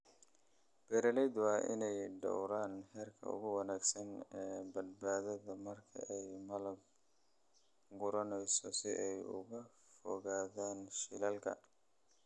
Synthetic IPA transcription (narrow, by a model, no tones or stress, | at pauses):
b̥ɛɾɐlɛjd̪wɑːʔɪ̰nɛjɖɔ̰wɾaːnhɛːrkʰɐ̰ʊ̰ɣʊwɑnaːɡsɐnɛːbɐd̪̚baːðɐðɐmɐrkʰɐ̰ʔɛjmɐlɐb̚ | ɡʊɾɐnɛjsɔsɪʔɛjʊ̰ɣɐ | fɔ̰ɣaːðaːnʃɪlɐlkʰɐ̰